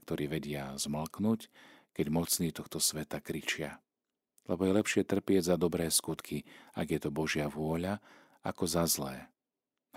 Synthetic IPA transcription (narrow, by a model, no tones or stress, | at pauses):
kt̪ɔɾiːʋɛɟɪazml̩knuckɛɟmɔt͡sniːt̪ɔxt̪ɔsʋɛt̪akɾit͡ʃɪa̰ | lɛbɔjɛlɛpʃɪɛt̪r̩pɪɛɟzad̪ɔbɾɛːskut̪kʰiaɡjɛt̪ɔbɔʒɪaʋʊɔʎa | akɔzazlɛ̰ː